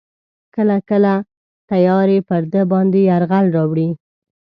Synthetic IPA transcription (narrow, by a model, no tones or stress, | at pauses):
kəlakəla | t̪ajɑɾepəɾd̪əbɑnd̪eaɾɣalɾɑwɽi